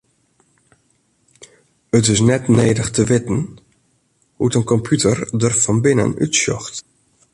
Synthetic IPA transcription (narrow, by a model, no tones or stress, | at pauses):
ətɪs̬nɛtneːdəxtəʋɪtn̩ | hutənkɔmpjutʰərdərfɑnbɪnə̰ny̰tsjɔ̰xt